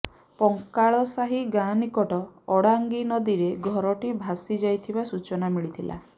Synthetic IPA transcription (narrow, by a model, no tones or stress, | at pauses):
pɔŋkaɭɔsaɦiɡanikɔʈɔːɽaŋɡinɔd̪iɾeɡʱɔɾɔʈibʱasid͡ʒajt̪ʰibasut͡ʃɔnamiɭit̪ʰilʔa̰